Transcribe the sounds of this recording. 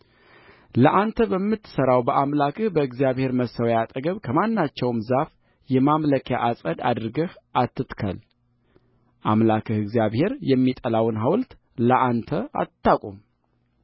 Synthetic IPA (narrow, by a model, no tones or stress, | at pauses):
ləʔant̪ʰəbəmːɨt̪ːɨ̥səɾawbəʔamlakʰɨhbəɨɡzjaβhe̞ɾməsəwjat̪ʼəɡəβkʰəmanːat͡ʃːɛwmzaf | jɛmamləkʰja̰ʔasʼəd̪a̰d̪ɨɾɨɡəhʔat̪ːɨt̪kʰə̰l | ʔamlakʰɨhɨɡzijaβhe̞ɾjɛmːit̪ʼəlawɨnɦawlt̪ | ləʔant̪ʰəa̰t̪ʰːakʼum